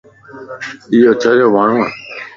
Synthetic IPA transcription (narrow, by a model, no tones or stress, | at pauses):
ɪjoːt͡ʃʰəɾjoːmaːɳ̤ũːa̰ː